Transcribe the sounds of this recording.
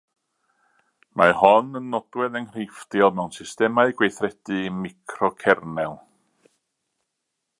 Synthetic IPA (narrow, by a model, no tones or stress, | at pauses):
mʔahɔnənːɔd̥wɛðənrɪjfdjɔlˠmɛwnsɪstɛmaɨɡwejθrɛd̥ɨmikʰrɔkʰɛrnɛlˠ